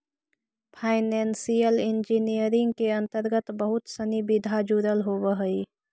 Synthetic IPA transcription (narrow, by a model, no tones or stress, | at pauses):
pʰaɪnensijəlind͡ʒinijəɾɪ̃ŋɡkeə̃nt̪əɾɡət̪bəɦʊt̪sənibid̪ʱad͡ʒuɾəlɦobəɦəi